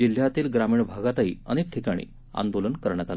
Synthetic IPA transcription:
d͡ʑil̤jat̪iːlɡɾamiːɳbʱaɡat̪aɦiəñek̚ʈʰikaɽ̃ḭː | a̰nd̪olənkəɾɳjat̪al

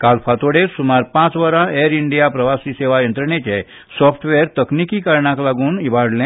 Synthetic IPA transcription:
kalfʰat̪oɽesumaɾpãt͡sʋəɾãeɾiɳɖijapɾəʋasiːseʋajənt̪ɾəɳet͡ɕe | sɔpʰʈʋeɾt̪əknikiːkaɾɳaklaɡuːnibʱaɽlã

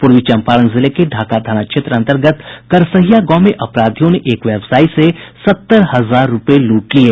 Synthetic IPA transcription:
pʊɾʋit͡ʃə̃mpaːɾənzɪlekeɖʱaːkad̪ʱaːnaʃʰet̪ɾəə̃nt̪əɾɡət̪kɐɾsəɦijaɡɔːmeʔɐpɾaːd̪ʱijõneʔeːkʋɛːbsaːisesɐt̪ːəɾhɐzaːɾːʊpeluːʈlieː

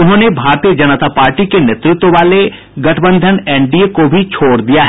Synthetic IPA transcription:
ʊnɦõːnebʱaːɾt̪ijəd͡ʒɐnət̪apaːɾʈikenjet̪ɾɪt̪wəʋaːle | ɡɐʈʰəbə̃nd̪ʱənɛ̃ːɳɖiekobʱit͡ʃʰoːɽd̪ijaɦ

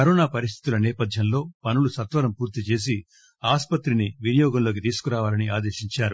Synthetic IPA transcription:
kɐɾɔːnaːpɐɾis̬t̪ʰi̥t̪ulɐnɛːpɐd̪ʱjɐnlo̞ːpɐnulusɐt̪ʋɐɾɐmpuːɾt̪it͡ʃe̞ːs̬i | aːspɐt̪ɾiniʋinɐjɔːɡɐmlo̞ːk̬it̪iːsu̥kuɾaːʋaːlɐniaːd̪e̞ːʃiɲt͡ʃaːɾu

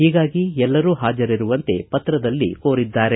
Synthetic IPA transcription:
hiːɡaːɡiɛlːɐɾuːɦaːd͡ʒɐɾiɾuʋɐnt̪e̞pɐt̪ɾɐd̪ɐlːḭkoːɾid̪ːaːɾe

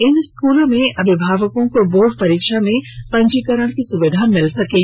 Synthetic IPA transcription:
ɪnskuːlmẽʔɐbʱɪbʱaːʋəkõkoboːɽpɐɾiːkʃamẽpɐ̃ɲd͡ʒikəɾəɽ̃kisʊʋɪd̪ʱamɪlsɐke

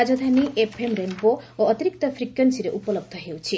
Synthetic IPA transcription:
ad͡zod̪ʱaniepʰemrenpooʌt̪iɾik̚t̪ʌpʰrikjʌnsiɾeʔupʌlʌb̚d̪ʱʌɦewt͡sʰi

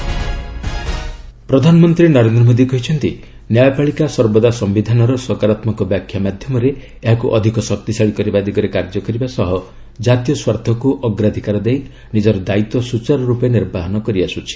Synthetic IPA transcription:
pɾɔd̪ʱanɔmɔnt̪ɾinɔɾend̪ɾɔmod̪ikɔɦit͡ʃʰɔnt̪i | njajɔpaɭikasɔɾbɔd̪asɔmbid̪ʱanɔɾɔsɔkaɾat̪mɔkɔbjakʰjamad̪ʱjɔmɔɾe | eɦakuʔɔd̪ʱikɔsɔk̚t̪isaɭikɔɾibad̪iɡɔɾekaɾd͡ʒɔkɔɾibasɔɦɔ | d͡ʒat̪jɔswaɾd̪ʱɔkuʔɔɡɾad̪ʱikaɾɔd̪ej | nid͡ʒɔɾɔd̪ait̪ɔsut͡ʃaɾɔɾupeniɾbaɦɔnɔkɔɾiasut͡ʃʰi̥

